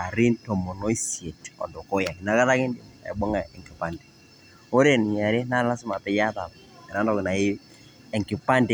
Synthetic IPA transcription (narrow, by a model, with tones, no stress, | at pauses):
a˨ɾi˦ntɔ˨mɔ˨nɔ˦i˦sje˨tɔ̰˨ndɔ˨kɔ˦ja˨ni˨na˨˦ka˦ða˦kɪ˦ndɪ˨m˨a̰˨ḭ˨bɔ˦ŋa˨ɛ˨ŋki˨pa˨nde̥˨ | o˦ɾe˦˨n˨ɲa˨ɾe˦na˦la˦sɪ˦ma˨pɛ˨ja˦ta˨m | ɛ˨na˦ndɔ˦˨kɪ˨na˨ɪ˦ | ɛ˨ŋkɪ˨pa˦nde˦